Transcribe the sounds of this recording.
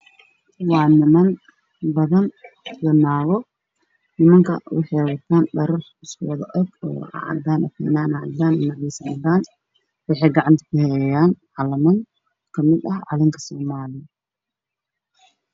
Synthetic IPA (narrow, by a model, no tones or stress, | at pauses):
wɑːnɪmɐn | bɐðɐn | wɐnaːɣɔ | nɪmɐŋkʰɐwɑ̰ħɑjwɐt̪ʰaːnɖɐɾɔħɪskʰʊwɐðɐʔɔɡɔ̰ːɑ̰ʕ̰d̪aːnʔɐkʰɛnaːnɐʕd̪aːnɪnɐʕɛsɐnɐd̪aːn | wɑħɑjɡɑʕɑnt̪ʰɐ̥kʰʊhɛjaːnʕɑlɐmɐŋ | kʰɐmɪd̪ɐhʕɑ̰lɪŋkʰɐ̥sɔːmaːlɪjɐ